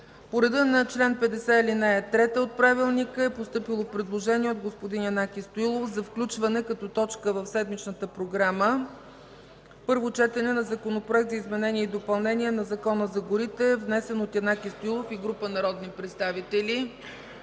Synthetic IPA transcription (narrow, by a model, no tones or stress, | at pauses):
poɾɛd̪ənɐt͡ʃlɛnpɛd̪ɛsɛilinɛɛt̪ɾɛt̪əot̪̚pɾavilˠnikəɛpost̪ɤpilˠofpɾɛd̪lˠoʒɛniɛod̪̚ɡospod̪injɐnakʲist̪oilˠofzɐfklʲut͡ʃvɐnɛkɐt̪ɔt̪ɔt͡ʃkəvəfsɛd̪mit͡ʃnət̪əpɾoɡɾamə | pɤɾvot͡ʃɛt̪ɛnɛnɐzɐkonopɾoɛk̚t̪zɐizmɛnɛnʲiɛid̪opɐlˠnɛniɛnɐzɐkɔnəzɐɡʊɾit̪ɛvnɛsɛnot̪jɛnakʲist̪oilˠofiɡɾupənɐɾɔd̪nipɾɛt̪st̪avit̪ɛli